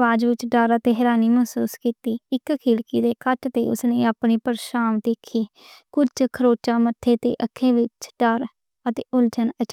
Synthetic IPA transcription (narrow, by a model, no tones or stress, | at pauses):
ʋaːd͡ʒʋɪt͡ʃɖəɾət̪eːɦɛːɾaːniːməɦsuːskiːt̪iːɪkkʰiːlkiːd̪eːkəʈt̪ḛːʊ̰snẽːaːpneːpəɾʃaːmd̪eːkʰeː | kʊt͡ʃkʰəɾoːt͡ʃaːmət̪ʰːeːt̪ḛːʔəkʰːẽːʋɪt͡ʃɖəɾ | ət̪eːʊlt͡ʃənət͡ʃ